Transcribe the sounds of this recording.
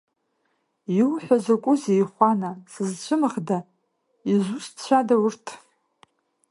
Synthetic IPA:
iwħʷᶣazakʷʼʊzejχʷanasɨzt͡ɕʷʰɨmɨχda | izʷust͡ɕʷʰadawʊrtʰ

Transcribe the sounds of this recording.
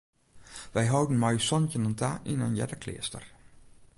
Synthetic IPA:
ʋɛjɦɔwdən̩mɔjsɔncənəntʰaʔinənjɛ̰dəkʰlɪ̰əstə̰r

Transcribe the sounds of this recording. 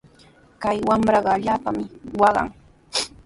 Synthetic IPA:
kajwamɾɑɢɑaʎaːpamɪwɑɢɑ̰ŋ

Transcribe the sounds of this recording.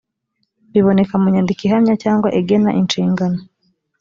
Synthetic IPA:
βiβo̞ne̞kamuɲandikiɦamɲacaːŋɡwaʔeɡe̞na̰ʔinʃiːŋɡano

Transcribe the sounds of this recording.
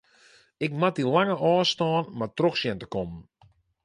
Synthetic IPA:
ɪkmat̚ilaŋəʔɔːstɑːnmatroxsjɛntə̥kɔmən

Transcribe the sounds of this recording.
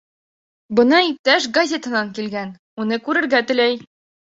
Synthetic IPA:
bɤ̆nɑip̚t̪æʃɡɐzʲet̪ɤ̆nɑŋkilɡæn | unɤkʉɾɘ̆ɾɡæt̪ɘ̆læj

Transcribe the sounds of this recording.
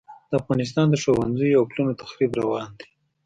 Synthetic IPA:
d̪̥əafɣɑnɪs̬t̪ɑnd̪əʃowanzəjawplunot̪ḁxɾibɾawɑnd̪e̥

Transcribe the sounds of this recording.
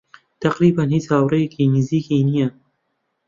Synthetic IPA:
t̪ʰɐqɾiːbanhiːt͡shaːwrejekʰiːniziːkiːnijɐ

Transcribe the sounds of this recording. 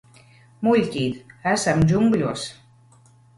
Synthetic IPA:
mulʲt̪ʲit̪æsæmd͡ʑuŋɡlʲus

